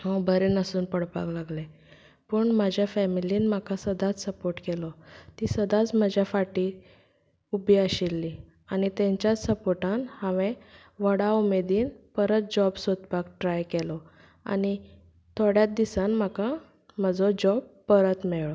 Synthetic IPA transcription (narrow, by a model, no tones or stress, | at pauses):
ɦɔbəɾenəsuːnpəɽpa̰klaɡle | pəɳmad͡ʑʱjafɛmiliːnm̤akasəd̪ʱat͡ssəpoɾʈkɛlɔt̪isəd̪at͡sməd͡ʑʱjafaʈiː | ubiəɕilːi | anit̪ẽɲt͡ɕjat͡ssəpoɾʈanhãʋẽ | ʋəɽaumed̪iːnpəɾət̪̚d͡ʑɔbsot̪pakʈɾajkɛlɔ | a̰ni | t̪ʰoɽjat̪̚d̪isanm̤aka | m̤əd͡zɔd͡ʑɔb̚pːəɾət̪mɛɭɭɔ